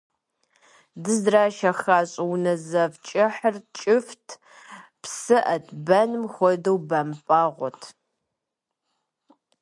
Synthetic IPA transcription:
dɨzdraːʃɐxaːɕʼɐwnɐzɐvt͡ʃʼɪħərt͡ʃʼɪftʰ | psɨʔɐtʰʼbɐnmxʷɔdɐwbɐmpʼaːʁʷɔtʰ

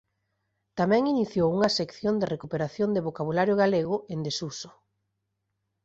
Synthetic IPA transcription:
t̪amɛ̃ŋiniθjowuŋɐsekθjond̪ɪrekupeɾaθjond̪eβokaβulaɾjʊɣ̞aleɣ̞ʊʔend̪esuso̥

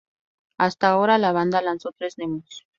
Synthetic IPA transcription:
ast̪aoɾalaβand̪alansot̪ɾesnemʊs

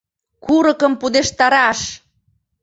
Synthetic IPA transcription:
kuɾəkəmpud̪eʃt̪ɑɾɑʃ

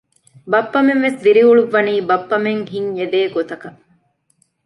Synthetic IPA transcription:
bɐpːɐmenʋesd̪iɾiuɭuʋːɐniːbɐpːɐmeŋɦiɲed̪eːɡot̪ɐkɐ

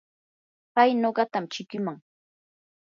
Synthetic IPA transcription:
pajnoɢɑt̪amt͡ʃɪkɪmaŋ

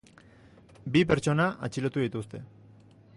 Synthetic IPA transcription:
bipe̞ɾt͡ʃo̞naʔat͡ʃilot̪uðit̪ust̪e̞

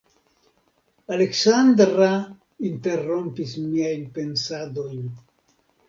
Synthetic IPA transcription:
ale̞ksandɾa | inte̞ɾo̞mpismiajnpe̞nsado̞jn

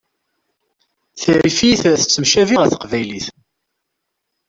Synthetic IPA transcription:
θɾifiθθə̥t͡sːəmʃæviʁəθqvæjliθ

